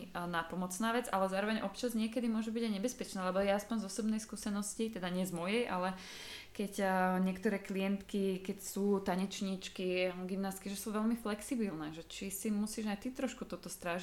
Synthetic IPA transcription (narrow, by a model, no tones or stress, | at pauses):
napɔmɔt͡snaːʋɛd͡zalɛzaːɾɔʋɛɲʔɔpt͡ʃazɲɪɛkɛd̪imʊɔʒubiɟajɲɛbɛspɛt͡ʃnaːlɛbɔjɛaspɔɲzɔsɔbnɛjskuːsɛnɔscit̪ɛd̪aɲɪɛzmɔjɛjʔa̰lɛ | kɛcɲɛkt̪ɔɾɛːkliɛnt̪kikɛcsuːt̪aɲɛt͡ʃɲit͡ʃkiɡimnaːst̪kiʒɛsuʋɛlmiflɛksibilnɛːʒɛt͡ʃisimusiːʒajt̪it̪ɾɔʃkut̪ɔt̪ɔst̪ɾaːʒ